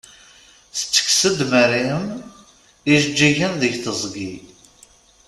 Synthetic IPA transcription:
θt͡sːə̥ksəd̪məɾiəm | iʒd͡ʒːiʝənðəʝθəzˤɡi

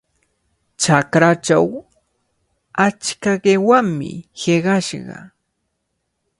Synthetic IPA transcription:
t͡ʃakɾat͡ʃa̰w | at͡ʃkaɢewaŋmɪ̰heɢɑʃɢɑ̰

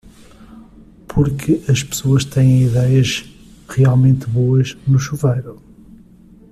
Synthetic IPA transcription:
pʰuɾkʰɨʔɐʃpɨ̥soɐʃt̪ɛ̃j̃ẽj̃iðɛjɐʒ | ʁialˠmẽnt̪βoɐʒnuʃuvejɾu

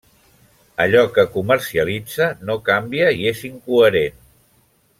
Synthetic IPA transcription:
əʎɔkəkuməɾsiəlid͡zənokambiəieziŋkuəɾen

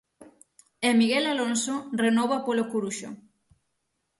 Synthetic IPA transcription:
emiɣelalonsorenɔβapolokuɾuʃo̰

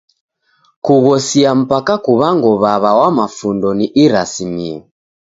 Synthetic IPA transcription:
kuɣɔsiam̩pakakuβaŋɡɔβaβawamafundɔniʔiɾasimiɔ

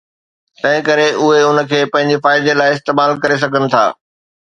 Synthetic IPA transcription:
t̪ɐ̃ɦɪ̃kɐɾeʔʊɦeʊnə̆kʰeːpɐ̃ɦɪ̃ɲ̆d͡ʑefaːɪd̪elaːɪɪst̪eːmaːlkɐɾes̬ɐɡʱənɪ̆t̪ʰa̰ː

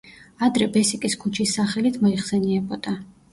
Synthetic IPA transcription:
ad̪ɾɛbɛsikʼiskʰut͡ʃʰisːaχɛlit̪ʰmɔiχsɛniɛbɔd̪̥a

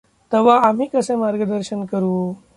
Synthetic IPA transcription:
t̪əʋaam̤iːkəsẽmaɾɡəd̪əɾɕənkəɾuː

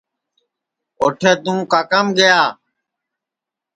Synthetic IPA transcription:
oːʈʰeːt̪ũːkaːkəmɡəjaː

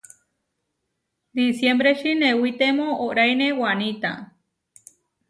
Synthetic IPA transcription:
d̪isjembɾeʃinẽwit̪emõoɾajnewanit̪a̰

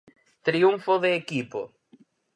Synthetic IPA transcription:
t̪ɾiuɱfoðeːkipo̰

